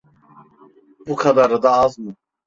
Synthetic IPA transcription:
bukʰad̪aɾɯd̪aːzmɯ

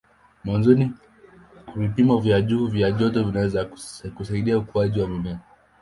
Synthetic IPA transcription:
mwanzɔni | vipimɔvjaʄuːvjaʄɔt̬ɔvinawɛzakusaiɗiaukuaʄiwamimɛa

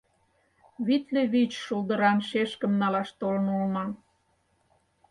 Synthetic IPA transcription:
βit̪leβit͡ɕʃuld̪ə̆ɾɑmʃeʃkə̆mnɑlɑʃt̪olə̆nulmɑn

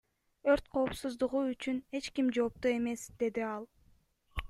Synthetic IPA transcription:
ø̞ɾt̪̚qʰo̞ːpsuzd̪uʁuyt͡ʃyne̞t͡ʃkimd͡ʒo̞ːp̚t̪ue̞me̞sd̪e̞d̪iɑlˠ

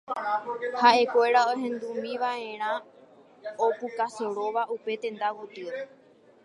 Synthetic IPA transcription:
haʔe̞kʷe̞ɾaoɦẽ̞nd̪umĩʋaẽ̞ɾ̃ã | opukaseɾo̞ʋaupe̞t̪ẽ̞nd̪awot̪ɨɾe

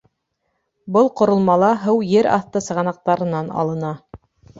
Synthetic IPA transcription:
bɤlˠqŏɾŏlˠmɑlˠɑɦɤwjɘɾɑ̰θt̪ɤsɤ̆ʁɑnɑq̚t̪ɑɾɤ̆nɑnɑ̰lˠɤ̆nɑ

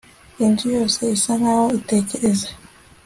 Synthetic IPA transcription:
indujoːse̞isanahoite̞ːceɾeze

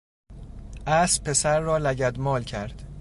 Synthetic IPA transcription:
ʔæspʰːe̞sæɾːɒːlæɟæd̪mɒːlcʰæɾd̪̥

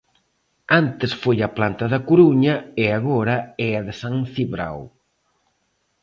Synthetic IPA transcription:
ant̪ɪsfojɐplant̪ɐðɐkuɾuɲɐɪaɣoɾɐɛɐðɪsãŋθiβɾa̰w

